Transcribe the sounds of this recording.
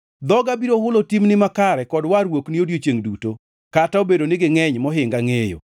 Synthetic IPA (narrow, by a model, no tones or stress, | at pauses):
d̪ɔɡabiɾohʊlotimnɪmakaɾɛkɔdwaɾwokniodjot͡ʃeŋduto | kataobedonɪɡɪŋɛɲmɔɦɪŋɡaŋejo̰